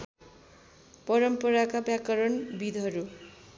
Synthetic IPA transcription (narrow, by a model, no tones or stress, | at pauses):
pʌɾʌmpʌɾakabjakʌɾʌnbid̪ʱɦʌɾu